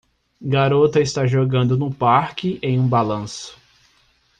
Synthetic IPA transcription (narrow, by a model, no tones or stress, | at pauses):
ɡaɾot̪ɐɪst̪aʒoɡɐ̃nd̪ʊnʊpaɾkɪʔẽj̃ũbalɐ̃sʊ̥